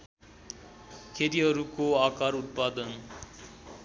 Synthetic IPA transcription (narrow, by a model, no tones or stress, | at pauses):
kʰeɾiɦʌɾukoakaɾut̪̚pad̪ʌn